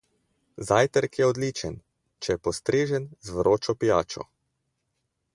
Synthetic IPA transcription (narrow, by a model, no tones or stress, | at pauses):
zaːjt̪əɾkjɛɔd̪liːt͡ʃən | t͡ʃɛjɛpɔst̪ɾeːʒənzvɾoːt͡ʃɔpijaːt͡ʃɔ̰